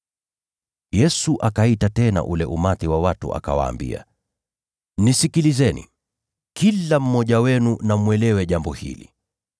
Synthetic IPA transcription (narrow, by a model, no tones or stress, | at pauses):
jɛsuʔakaitatɛna̰ʔulɛʔumatiwawatṵʔa̰ka̰wa̰ːmbḭa̰ | nisikilizɛnḭ | kilam̩mɔʄawɛnunamwɛlɛwɛʄambɔhḭlḭ